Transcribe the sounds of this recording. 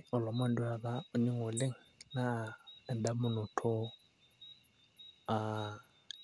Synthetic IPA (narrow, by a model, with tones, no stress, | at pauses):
ɔ˨lɔ˨m˦a˦˨ndwa˨ða˦o˨ɲi˦ŋo˨lɪ˦ŋna˦ɛ˨nda˦mʊ˦no˨tʰo˦ | a˨